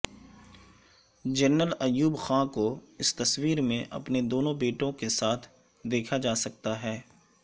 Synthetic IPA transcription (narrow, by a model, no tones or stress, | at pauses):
d͡ʒɐɾnəlɐjuːbxãːkoɪst̪ɐswiːɾmẽʔɐ̰pned̪oːnõbeːʈõkesaːt̪ʰ | d̪eːkʰad͡ʒaːsɐk̚t̪aɦɛː